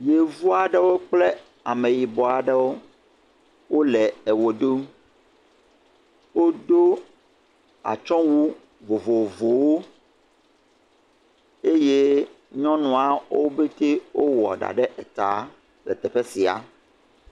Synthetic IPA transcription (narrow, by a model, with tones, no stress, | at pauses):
je˨vu˦a˨ɖɛ˦wo˦k͡ple˦ | a˨mẽ˨ji˨bɔ˨a˨ɖɛ˦wo˦ | wo˦lɛ˨ɛ˨wo˨ɖo˦m | wo˦d̪o˦ | a̰˨t͡ʃɔ̃˦wu˦ | vo˨vo˨vo˨wo˦ | e˦je˦ | ɲɔ̃˦nɔ̃˨a˨wo˦be˦t̪e˦wo˦wɔ̰˨ɖa̰˨ɖɛ˦ʔɛ˨t̪a˨ | lɛ̰˨t̪ɛ˨ɸe˦si˨a̰˨